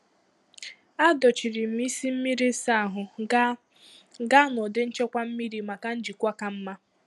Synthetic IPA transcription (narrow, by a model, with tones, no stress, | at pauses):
a˦dɔ˨t͡ʃi˨ɾi˨m̩˨mi˦si˦m̩˦mi˦ɾi˦sa˦a˨ɦʊ˨ | ɡa˦nɔ˨de˦n̩˦t͡ʃe˦kʷa˦m̩˦mi˦ɾi˨ma˨ka˦n̩˦d͡ʒi˨kʷa˦ka˨m̩˦ma˦